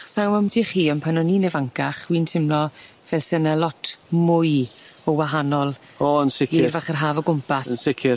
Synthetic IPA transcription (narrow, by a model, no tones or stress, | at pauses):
χsawməmdiχiːɔnpʰanɔniːnɛvaŋkaχwiːntʰɪmlɔ | vɛlˠsənalˠɔtʰmʊj | ɔwaɦanɔlˠ | ɔənsɪkːrvaχərɦaːvɔɡʊmpʰasənsɪkʰɪ